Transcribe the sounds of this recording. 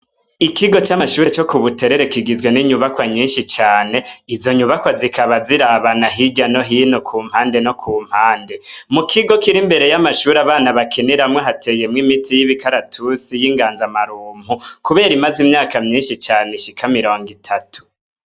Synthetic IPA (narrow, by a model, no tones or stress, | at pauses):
ikiɡo̞t͡ʃaaʃuːɾet͡ʃo̞kuβute̞ɾe̞ɾe̞kiɡizwe̞niɲuβakwaɲiːnʃit͡ʃaːne̞izo̞ɲuβakwazikaβaziɾaβanaɦiɟano̞ɦiːnokʰuːmhaːnde̞no̞kʰuːm̥haːnde̞mukʰiɡo̞kiɾimbe̞ɾe̞jamaʃuːɾaβaːnaβakʰeneɾamŋoɦatʰe̞ːje̞mŋimitʰijiβikaɾatʰusijiŋɡaːnzamaɾuːmhukuβe̞ːɾimazimɲaːkamɲiːnʃit͡ʃaːneʃikʰamiɾo̞ːŋɡitʰatʰu̥